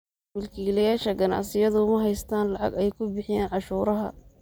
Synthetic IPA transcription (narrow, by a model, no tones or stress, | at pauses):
mʊlkʰiːlɐjaːʃɐɡɐnɑ̰ʕsɪjɐðʊʊmɐɦɛjst̪ʰaːnlɑʕɑ̰ɡɛjkʰʊbɪħɪjaːnʕɑʃuːɾɐɦɐ̰